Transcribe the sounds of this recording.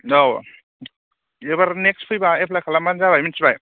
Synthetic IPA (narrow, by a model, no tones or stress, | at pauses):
ow | ebaɾnekspʰɯjbaepʰlajkʰalamanzaβajminsbaj